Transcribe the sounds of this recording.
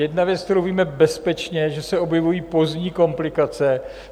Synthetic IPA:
jɛdnavjɛt͡skt̪ɛɾowviːmɛbɛspɛt͡ʃɲɛʒɛsɛo̞bjɛvujiːpo̞zɲiːko̞mplɪkat͡sɛ

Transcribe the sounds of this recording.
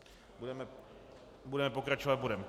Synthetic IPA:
budɛmɛ | budɛmɛpokɾat͡ʃovat̪̚budɛmɛ

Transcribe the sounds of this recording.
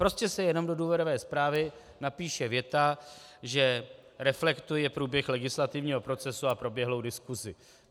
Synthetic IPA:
pɾo̞scɛsɛjɛno̞mdo̞duːvjɛɾovɛːspɾaːvɪ | napiːʃɛvjɛt̪aʒɛ | ɾɛflɛkt̪ujɛpɾuːbjɛxlɛɡɪslat̪ɪvɲiːɦo̞pɾo̞t͡sɛsuapɾo̞bjɛɦlowdɪskuzɪ

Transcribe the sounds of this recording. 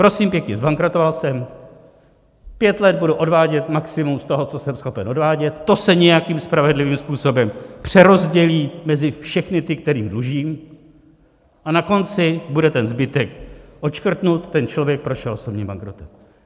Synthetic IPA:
pɾo̞simpjɛkɲɛzbaŋkɾo̞t̪ovalsɛm | pjɛt̪lɛd̪̚buduʔo̞dvaːɟɛt̪maksɪmumst̪o̞ɦo̞t͡so̞sɛmsxo̞pɛno̞dvaːɟɛt̪ːo̞sɛɲɛjakimspɾavɛdlɪviːmspuːso̞bɛmpr̝̥ɛɾo̞zɟɛliːmɛzɪfʃɛxnɪt̪ɪkt̪ɛɾiːmdluʒiːm | ʔanako̞nt͡sɪbudɛt̪ɛnzbɪt̪ɛkʔo̞t͡ʃkr̩t̪nut̪ːɛnt͡ʃlo̞vjɛk̚pɾo̞ʃɛloso̞bɲiːmba̰ŋkɾo̞t̪ɛm

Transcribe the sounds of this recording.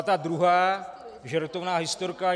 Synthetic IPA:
t̪ad̪ɾuɦaː | ʒɛɾt̪ovnaːɦɪst̪oɾka

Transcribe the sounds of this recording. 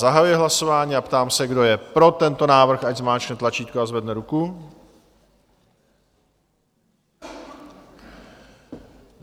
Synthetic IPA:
aɦajujɪɦlasovaːɲiːapt̪aːmsɛɡdo̞jɛpɾo̞t̪ɛnt̪o̞naːvr̩xaɟzmaːt͡ʃnɛt̪lat͡ʃiːt̪̚koazvɛdnɛɾuku

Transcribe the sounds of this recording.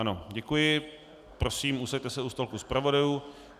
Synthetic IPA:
ano̞ɟɛkujɪ | pɾo̞siːmʔusɛct̪ɛsɛust̪olkuspɾavo̞dajuː

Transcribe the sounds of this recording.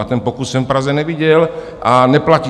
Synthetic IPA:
at̪ɛnpokussɛ̃fpɾazɛnɛviɟɛl | ʔanɛplaci

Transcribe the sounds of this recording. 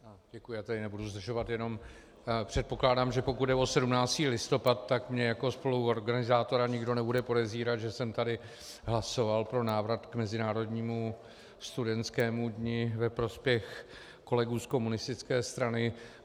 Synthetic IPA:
ɟɛkujʊjaːt̪ɛdɪnɛbuduzd̪r̩ʒo̞vat̪jɛno̞m | pr̝̥ɛt̪̚po̞klaːdaːmʒɛpo̞kut̪̚dɛo̞sɛdumnaːt͡st̪iːlɪst̪o̞pat̪ːakmɲɛjako̞spo̞luwo̞ɾɡanɪzaːt̪o̞ɾaɲɪɡdo̞nɛbudɛpo̞dɛziːɾat̪ʒɛsɛmt̪adɪ | ɦlaso̞valpɾo̞naːvɾat̪kmɛzɪnaːɾo̞dɲiːmu | st̪udɛnt͡skɛːmudɲɪvɛpɾo̞spjɛx | ko̞lɛɡuːsko̞munɪst̪ɪt͡skɛːst̪ɾanɪ

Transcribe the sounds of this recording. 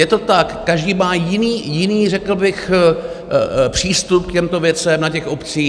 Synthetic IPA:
jɛt̪o̞t̪akːaʒdiːmaːjɪniːjɪniːrɛkl̩bɪx | pr̝̥iːst̪up̚kcɛmt̪ovjɛt͡sɛmnacɛxo̞pt͡siː

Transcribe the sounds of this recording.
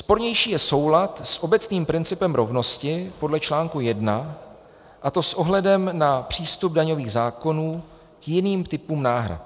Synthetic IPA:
spo̞ɾɲɛjʃiːjɛso̞wlat̪sʔo̞bɛt͡sniːmpɾɪnt͡sɪpɛmɾo̞vno̞scɪpo̞dlɛt͡ʃlaːŋkujɛdna | ʔat̪o̞sʔo̞ɦlɛdɛmnapr̝̥iːst̪ub̚daɲo̞viːɣzaːko̞nuː | kjɪniːmt̪ɪpuːmnaːɦɾa̰t̪̚

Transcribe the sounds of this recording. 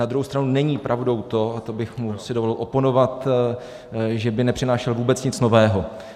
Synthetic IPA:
nad̪ɾuɦowst̪ɾanunɛɲiːpɾʔavdo̞wt̪o̞at̪obɪxmusɪdovolɪlʔo̞po̞no̞vat̪ | ʒɛbɪnɛpr̝ɪnaːʃɛlvuːbɛt͡sɲɪt͡sno̞vɛːɦo̞

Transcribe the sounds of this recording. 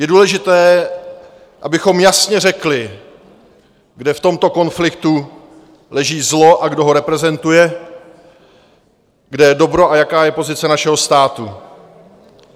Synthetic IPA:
jɛduːlɛʒɪt̪ɛː | ʔabɪxo̞mjasɲɛrɛklɪ | ɡdɛft̪o̞mt̪o̞ko̞nflɪkt̪u | lɛʒiːzlo̞ʔaɡdo̞ɦo̞ɾɛpɾɛzɛnt̪ujɛ | ɡdɛjɛdo̞bɾo̞ʔajakaːjɛpo̞zɪt͡sɛnaʃɛɦo̞st̪aːt̪u

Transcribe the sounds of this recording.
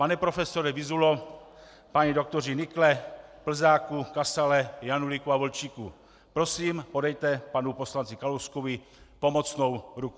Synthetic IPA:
panɛpɾo̞fɛsoɾɛvɪzulo | paɲido̞k̚t̪orɪnɪklɛpl̩zaːkukasalɛjanulikuavolt͡ʃiːkṵ | pɾo̞siːmpo̞dɛjt̪ɛpanupo̞slant͡sɪkaloskovɪ | po̞mo̞t͡sno̞wɾuku

